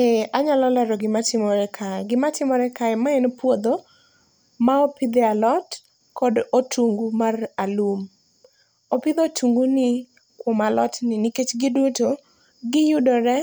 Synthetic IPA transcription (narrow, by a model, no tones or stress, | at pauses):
eaɲalɔlɛɾɔɡɪmatɪmɔɾɛkʰaɛɡɪmatɪmɔɾɛkaɛmaɛnpwod̪o | maopɪd̪ɛalɔt | kɔdotʰuŋɡumaralum | opɪd̪otʰuŋɡunɪ | kwomalɔtnɪniket͡ʃɡɪduto | ɡɪjʊdɔɾɛ